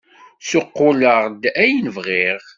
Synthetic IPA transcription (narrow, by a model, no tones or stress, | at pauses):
sʊqːʊləʁd̪æjnəvʁiʁ